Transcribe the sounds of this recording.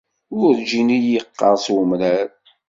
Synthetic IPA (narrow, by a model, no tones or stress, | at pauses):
ʊɾd͡ʒinijəqːɑɾˤswəmɾæɾ